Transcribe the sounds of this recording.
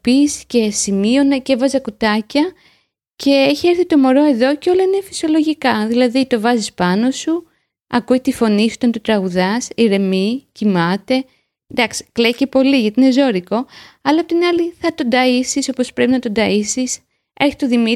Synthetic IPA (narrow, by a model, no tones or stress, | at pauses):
pisce̞simio̞nɐcevɐzɐkut̪ɐcɐ | ce̞eçieɾθit̪o̞mo̞ɾo̞e̞ðo̞ceo̞loinefi̥sio̞lo̞ʝikɐðilɐðit̪o̞vɐzispɐno̞su | ɐ̰kuet̪ifo̞nisuit̪ɐnt̪ut̪ɾɐɣuðɐsiɾe̞micimɐt̪e̞ | d̪ɐksi̥kle̞ice̞po̞liʝɐt̪iine̞zo̞ɾiko̞ɐlɐpot̪inɐliθɐt̪ond̪ɐisiso̞po̞spɾe̞pinɐt̪o̞nd̪ɐisis | e̞ɾçi̥t̪o̞ðimi